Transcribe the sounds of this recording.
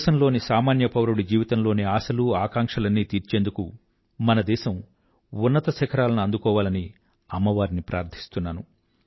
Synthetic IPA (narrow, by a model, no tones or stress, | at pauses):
ʃɐmlo̞ːnisaːmaːnjɐpɐwɐɾuɽud͡ʒiːʋit̪ɐmlo̞ːniaːsɐluaːkaːŋkʂɐlɐnːiːt̪iːɾt͡ʃe̞ːnd̪uku | mɐnɐd̪ɛːʃɐm | unːɐt̪ɐsɛkʰɐɾaːlɐnuɐnd̪ukɔːʋaːlɐni | ɐmːɐʋaːɾinipɾʔaːɾd̪ʰʱi̥st̪unːaːnu